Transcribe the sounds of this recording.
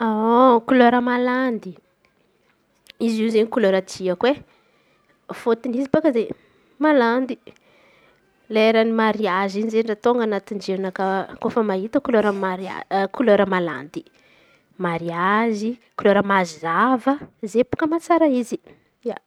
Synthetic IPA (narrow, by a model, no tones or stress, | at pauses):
aokuloɾəmaland̪i | izizeɲikuloɾətiakwe | fot̪inizibakəze | maland̪i | laeɾanimaɾiazinizenɖ͡ʐat̪oŋɡanat̪iɳd͡ʒenakəkofəmaɦit̪əkuloɾəmaɾia̰kuloɾəmala̰nd̪i | maɾiazikuloɾəmazzavəzepu̥kəmat͡saɾəizi | a